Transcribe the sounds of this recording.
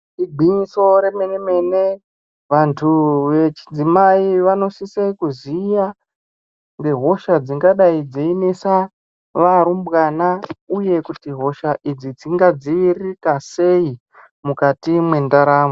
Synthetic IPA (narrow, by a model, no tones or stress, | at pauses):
iɡʱiɲiso̞ɾe̞meneme̞ne | ʋantʰuʋe̞t͡ʃi̥d͡zimaiʋano̞sisekuzija | ŋɡe̞ɦo̞ʃad͡ziŋɡaɗaid͡zeinesa | ʋaɾumbɣanauje̞kutiɦo̞ʃaʔid͡zid͡ziŋɡad͡ziːrikase̞i | mukatimwe̞ndaɾaːmo